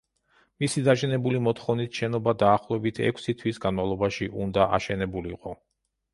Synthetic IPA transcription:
misid̪aʃɛnɛbulimɔt̪χɔvnisʃɛnɔbad̪aːχlˠɔɛbit̪ʰɛ̰kʷʰsit̪ʰwisɡanmavlˠɔbaʃiʔund̪aʔa̰ʃɛnɛbuliqʼɔ

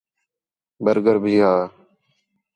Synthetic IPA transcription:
bəɾɡəɾbʱiːɦaː

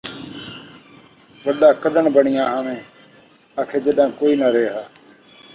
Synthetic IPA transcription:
ʋəɗaːkəɗəɳbəɳɪjãːɦãːʋẽː | aːkʰeːd͡ʒeɗãːkoːiːnaːɾeːɦaː

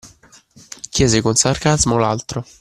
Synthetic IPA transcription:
kjɛːzɪkonsarkazmolalt̪ɾo

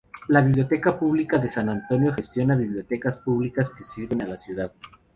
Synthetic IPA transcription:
laβiβljot̪e̞kapuβlikaðesanant̪o̞njo̞xe̞st̪jo̞naβiβljo̞t̪e̞kaspuβlikaske̞siɾβe̞nalasjuðað

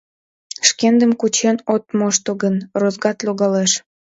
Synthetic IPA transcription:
ʃkend̪əmkut͡ɕenot̪moʃt̪oɣənrozɡɑt̪loɣɑleʃ

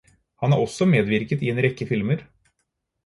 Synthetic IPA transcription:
hɑnæɾɔsːɔmeːd̪ʋɪɾkət̪ɪeːnɾɛkːəfɪlməɾ

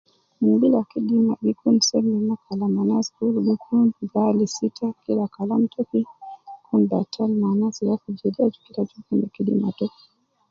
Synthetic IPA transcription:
mubilakiɗimaɓikunsɛmnimakʰalamanaskulɓikʰunɡalisitʰakilakalam̩tʰɔkikʰunbatʰalmanasijakud͡ʒɛdiad͡ʒukiɾad͡ʒukanikiɗḭma̰tɔ

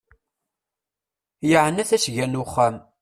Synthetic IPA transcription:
jəʕənːæθæsʝænʊχːam

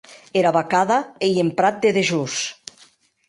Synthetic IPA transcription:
eɾaβakaðaejempɾat̪̚d̪eðeʒus

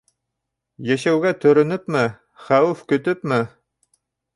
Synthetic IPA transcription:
jæʃæwɡæt̪ɵ̆ɾɵ̆nɵpmɘ | χæwʉfkɵ̆t̪ɵp̚mɘ

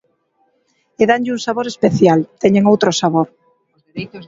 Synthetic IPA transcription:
eðaɲʎɪuŋsaβoɾespeθjalt̪ɛɲeŋowt̪ɾosaβoɾ

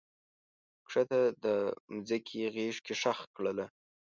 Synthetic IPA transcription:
kʂat̪ad̪əmzakʰiɣeʂkeʂaxkɽəla

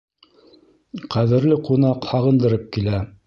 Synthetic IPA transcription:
qʰæðɘ̆ɾlɘqunɑqhɑʁɤ̆nd̪ɤ̆ɾɤp̚kilæ

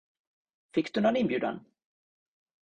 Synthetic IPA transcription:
fɪkːd̪ɵnɔnɪnbjʉ̟ːd̪a̰n

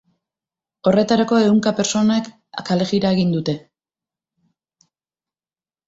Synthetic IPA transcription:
o̞re̞t̪aɾako̞e̞uŋkape̞ɾso̞nak | a̰kale̞ɣiɾaeɣind̪ut̪e̞

